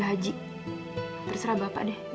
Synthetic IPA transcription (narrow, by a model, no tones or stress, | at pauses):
ɦad͡ʒiʔ | t̪ərsəɾabapa̰ʔdɛh